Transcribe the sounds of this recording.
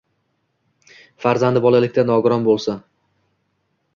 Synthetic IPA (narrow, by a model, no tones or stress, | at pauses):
faɾzand̪ɪbɒlalɪkʲt̪anɒɡʊɾɒnbolˠsan